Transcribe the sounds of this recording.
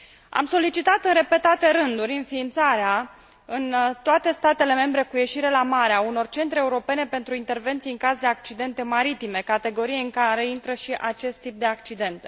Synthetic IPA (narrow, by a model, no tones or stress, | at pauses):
a̰mso̞lit͡ʃit̪at̪ɨnɾe̞pe̞t̪at̪e̞ɾɨnd̪uɾʲɨnfiːnt̪saɾea | ɨnt̪oat̪e̞st̪at̪e̞le̞me̞mbɾe̞kuje̞ʃiɾe̞lamaɾeauno̞rt͡ʃe̞nt̪ɾeeuɾo̞pe̞ne̞pe̞nt̪ɾuint̪e̞rve̞nt̪sijɨŋkasd̪eak̚t͡ʃid̪e̞nt̪e̞maɾit̪ime̞kat̪e̞ɡo̞ɾijeɨŋkaɾe̞int̪ɾəʃiʔat͡ʃe̞st̪ːip̚d̪e̞akt͡ʃid̪e̞nt̪e